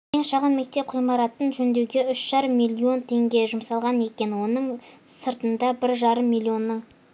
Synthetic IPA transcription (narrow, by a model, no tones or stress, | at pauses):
kʲʰeŋʃɑʁəmːe̞k̚t̪e̞p̚qʰujmɑɾɑt̪ənʒɵnd̪e̞wɡʲe̞ʏʃʒ̥ɑɾəmːijlʲˠio̞nt̪ʰe̞ŋɡʲe̞ʒʊmsɑlˠʁɑne̞kʲe̞nwo̞nəɴsəɾt̪ənd̪ɑbɪɾʒɑɾəmːijlʲˠːio̞nːəɴ